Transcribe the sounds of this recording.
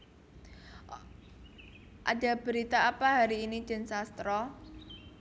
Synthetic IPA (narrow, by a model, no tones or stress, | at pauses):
ʔa̰d̥a̤b̥ə̤ɾit̪aapaɦaɾiːni̥ʒ̥ə̤nsast̪ɾɔ